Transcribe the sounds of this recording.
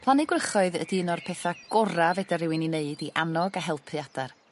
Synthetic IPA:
pʰlˠanɪɡwrəχɔɨðə̰diənɔrpʰɛθaɡ̥ɔɾavɛdaɾɪwɨnineɨdiʔanɔɡaɦɛlˠpʰɨad̥ar

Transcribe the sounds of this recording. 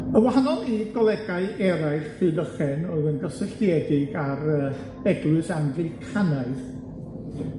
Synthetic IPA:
ənwaɦanɔlˠiɡɔlˠɛɡaɨɛɾajɬɨdəχɛnɔðənɡəsɪɬtiɛdɪɡarəː | b̥ɛɡlˠɨsanvvikʰanaɨð

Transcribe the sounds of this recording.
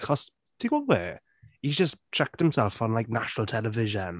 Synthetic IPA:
χɔs | d̥ʰiwɔwɛː | id͡ʒəst͡ʃʰɛk̚thɪ̃msɛlˠfə̃nlaɪk̚naʃənəlˠtʰɛlˠəvɪʒə̃n

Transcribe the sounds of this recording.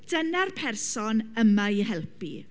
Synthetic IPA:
d̥ənarpʰɛrsɔnəmajɦɛlˠpḭ

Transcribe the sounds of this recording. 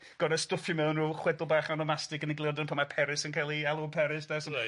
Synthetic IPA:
ɡ̥ɔɾəstʊfjɔmɛwnruːχwɛdʊlˠbaːχanɔmastɪɡəniɡlˠɪɔrdənpʰamapʰɛɾɪsənkʰajlˠialˠʊpʰɛɾɪsd̥ɛsən

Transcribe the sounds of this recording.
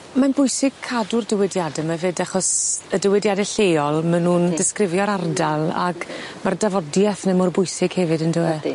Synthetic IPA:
manbʊjsɪɡ̥̚kʰːadʊrdəwɛdjadɛmavedaχɔsədəwɛdjadɛɬejɔlˠmanuːndɪskrɪvjɔɾardalˠa̰ɡmardavɔdjɛθnɛmʊrbʊjsɪɡ̥hɛvɨdəndʊwɛ

